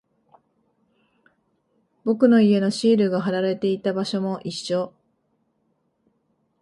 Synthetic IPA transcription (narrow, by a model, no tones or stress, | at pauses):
bo̞kɯ̟no̞ie̞no̞ɕiːɾɯ̟ɡaɦaɾaɾe̞t̪e̞it̪abaɕo̞mo̞ʔiɕo̞